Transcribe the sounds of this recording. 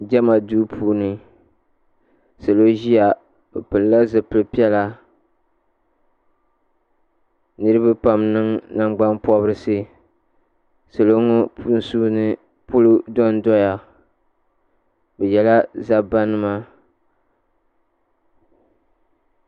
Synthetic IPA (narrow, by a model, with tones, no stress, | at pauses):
d͡ʒɛ˦ma˨duː˦pʰuː˦nɨ˨ | sa˨lo˦ʒi˦ja˨ | bɛ˨pɨ˨lla˦zɨ˨pɨ˨lpi˦ɛ˦la˦ | nɨ˦ɾɨ˦bɨ˦pa˨mnɨ˦ŋna˦ŋ͡mɡ͡ba˦npɔ˦bɾɨ˦sɨ˦ | so˨lo˦ŋo˦pu˦n̩˨suː˦nɨ˨ | pʊ˦lu˦dɔ˦n˦dɔ˦ja˨ | bɛ˨jɛ˨la˦za˦ba˦nɨ˦ma˦